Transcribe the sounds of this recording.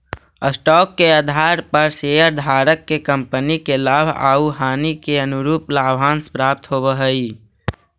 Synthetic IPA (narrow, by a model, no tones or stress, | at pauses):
əsʈɔːkːeəd̪ʱaːɾpəɾseːəɾd̪ʱaːɾəkːekə̃mpənikelaːbʱa̰ːuɦaːnikeənʊɾuːplaːbʱaːnspɾaːp̚t̪ɦoːbəɦəi